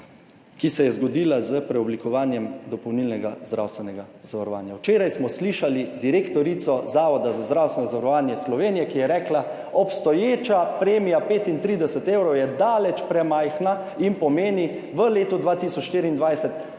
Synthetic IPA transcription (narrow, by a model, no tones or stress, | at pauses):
kisɛjɛzɡɔd̪iːlazəpɾɛɔblikɔʋaːnjɛmd̪ɔpɔwnilnɛɡazd̪ɾa̰wst̪ʋɛnɛɡazaʋaɾɔʋa̰ːnjawt͡ʃeːɾajsmɔsliʃalid̪iɾekt̪ɔɾit̪sɔzaːʋɔd̪azazd̪ɾawst̪ɛnɔzaʋaɾɔʋaːnjɛslɔʋeːnijɛkijɛɾɛːkla | ɔpst̪ɔjeːt͡ʃapɾeːmijapeːt̪int̪ɾiːd̪ɛsɛt̪eːwɾɔwjɛd̪aːlɛt͡ʃpɾɛmajxna | inpɔmeːni | ʋəleːt̪ud̪ʋaːt̪isɔt͡ʃʃt̪iːɾiːnd̪ʋajsɛt̪